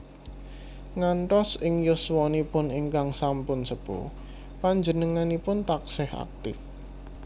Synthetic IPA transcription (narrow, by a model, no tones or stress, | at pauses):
ŋaɳʈɔsɪŋjʊswɔnipʊniŋkaŋsampʊnsəpṵ | paɲd͡ʒənəŋanipʊnt̪aksɪha̰k̚t̪ɪ̰f